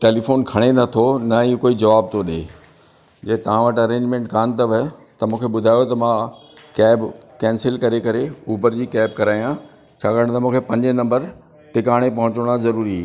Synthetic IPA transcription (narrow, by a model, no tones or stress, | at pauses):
ʈeːlifoːnkʰɐɽ̃enɐt̪ʰonɐiːkoːid͡ʑɐʋaːb̚t̪ʰoɗḛː | d͡ʑɐɦt̪ɐʋ̤ãʋɐʈɐɾẽːɲd͡ʑmẽːɳʈkaːnt̪ɐʋt̪ɐmũːkʰeɓʊd̪ʱaːjot̪ɐmãkɛːbkɛ̃ːnsɪlkɐɾekɐɾeuːbəɾd͡ʑiːkɛːb̚kɐɾaːijã | t͡ɕʰaːkəɽɽ̃t̪ɐmũːkʰepɐ̃ɲd͡ʑenɐ̃mbəɾ | ʈɪkaːɽ̃epɐɦʊ̃t͡ɕɽ̃azɐɾuːɾi